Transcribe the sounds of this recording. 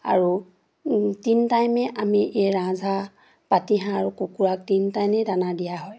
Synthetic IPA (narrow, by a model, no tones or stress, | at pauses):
a̰ɹu | tintajmɛʔamiʔeɹãzʱa | patiɦãaɹukukuɹak̚tintajmɛdanadijaɦɔj